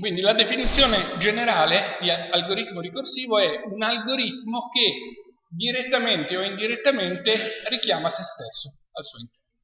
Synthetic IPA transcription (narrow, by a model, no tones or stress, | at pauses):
kwind̪ilad̪efinit̪sːjoːned͡ʒeneɾaːled̪ialɡoɾit̪moɾikorsiːvoɛunalɡoɾit̪moke | d̪iɾet̪ːament̪eoind̪iɾet̪ːament̪erikjaːmasest̪esːo | alsuːoint̪ɛrno